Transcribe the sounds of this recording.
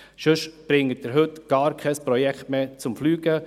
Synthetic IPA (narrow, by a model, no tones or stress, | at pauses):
ʃɵʃb̥ɾɪŋːət̚dɪɾɦɵtɡ̥ɑːɾkʰɛspɾɔjɛkt̪meːt͡sʊmflyːɡ̥ə